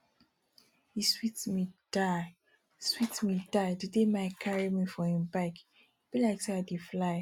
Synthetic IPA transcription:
hiswitmida | switmidajdidemaɪkʰaɹimifɔhĩmbak | b̥ilaɪksɛadeflaɪ

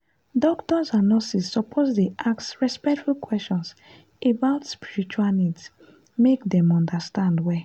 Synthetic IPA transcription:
dɔktɔsanɔsisːɔpʰozdeʔaksɹɛspɛk̚tfulkwɛst͡ʃɔ̃ns | ebaʊtspiɹit͡ʃualnids | mekdɛ̃mɔ̃ndastãndwɛ

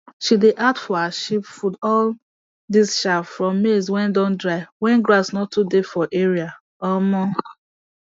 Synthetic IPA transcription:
ʃideʔadfɔhaʃipfudɔl | disʃafɹɔ̃mːezwɛ̃ndɔ̃ndɹaɪwɛ̃nɡɹasnɔtːudefɔʔeɹia | ɔmɔ

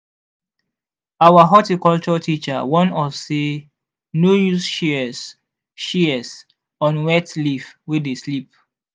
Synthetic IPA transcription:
awaɦɔtikɔlt͡ʃɔtʰit͡ʃa̰wɔ̃nɔfse | nojusʃis | ʃiɛs | ɔ̃nwɛtlifwedeslip̚

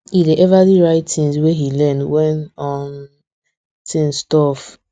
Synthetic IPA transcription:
ideʔɛvadiɹaɪttĩnsweɦilɛ̃ndwɛ̃nɔm | tʰĩnstɔf

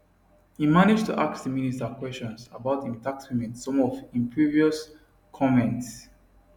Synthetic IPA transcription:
himanɪd͡ʒtʰuʔaksðəministakwɛst͡ʃɔ̃nsa̰baʊtĩntak̚twimɛ̃nsɔ̃mɔvĩmpʰɹiviɔs | kʰɔmɛ̃nts

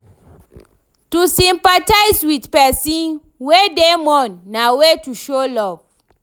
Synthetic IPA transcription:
tusĩmpataɪswidpɛsĩn | wedemɔ̃nːawetuʃolɔv

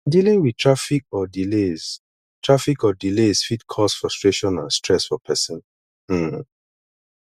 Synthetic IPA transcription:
dilĩŋwitʰɹafik̚ɔdilez̥ | tʰɹafikɔdilesfitkʰɔsfɹɔstɹeʃɔ̃nã̰nstɹɛsfɔpʰɛsɔ̃n̩

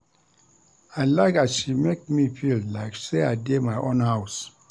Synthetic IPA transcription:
aɪlaɪkasʃimek̚mifillaɪkseaɪdemaɪʔõnhaʊs

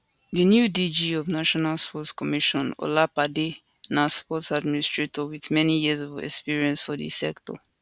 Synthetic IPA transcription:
dinjudid͡ʒiɔvnaʃɔnalspɔtskɔmiʃɔ̃no̰lapade | naspɔtsadministɹetɔwiθmɛnijiəzɔvɛ̰kspiɹiɛ̃nsfɔðḭsɛktɔ̰

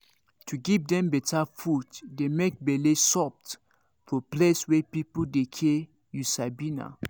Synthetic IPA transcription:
tʰuɡivdɛ̃mbɛtʰafutdemek̚bɛlesɔp̚t | fɔpleswɛpipudekʰe | jusabina̰

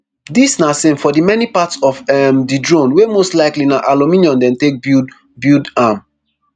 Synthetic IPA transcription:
disnasẽmfɔdimɛnipatsɔfɛmdidɹõnwemostlaɪklinaʔalumĩniɔ̃ndɛ̃ntek̚bu | bjudam

